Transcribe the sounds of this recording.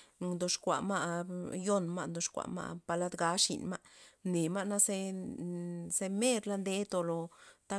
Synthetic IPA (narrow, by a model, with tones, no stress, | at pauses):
d̪o˧ʂkʷa̰˨ma˦˧jo˦nma˦˧nd̪o˨˧ʂkʷa̰˨ma̰˦˧pa˧la˦d̪ɡa˧˦ʂḭ˨nma˦ne˨ma˦na˦se˦ | se˧me˦ɾla˧˦nd̪e˦t̪o˧lo˨t̪a˦